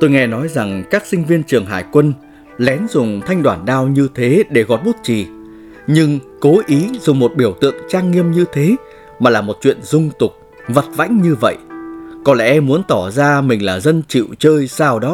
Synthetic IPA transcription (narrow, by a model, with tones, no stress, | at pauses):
t̪o˧jŋɛ˧nɔ˨˦jza˨˩ŋkaː˦˥k̚sï˧ŋ̟vi˧ənt͡ɕɨ˨˩əŋɦa̰ː˧˩jkwə˧n | lɛ˨˦nzʊ˨˩ŋ͡mt̪ʰa˧jŋ̟ɗwaː˧˩nɗaː˧wɲɨ˧t̪ʰe˨˦ɗe˧˩ɣɔ̰˨˩t̚ɓu˦˥t̚t͡ɕi˨˩ | ɲɨ˧ŋko˨˦ʔi˨˦zʊ˨˩ŋ͡mmo˨˩t̚ɓi˧˩əwt̪ɨ̰˧˨əŋt͡ɕaː˧ŋːi˧əmɲɨ˧t̪ʰe˨˦ | maː˨˩laː˨˩mo˨˩t̚t͡ɕwḭ˧˨ənzʊ˧ŋ͡mt̪ʊ˨˩k͡p̚ | və˨˩t̚va̰˧˥jŋ̟ɲɨ˧və̰˧˨jkɔ˨˦lɛ̰˧˥ʔmu˨˦ənt̪ɔ˧˩zaː˧mï˨˩ŋ̟laː˨˩zə˧nt͡ɕḭ˧˨wt͡ɕəː˧jsaː˧wɗɔ˨˦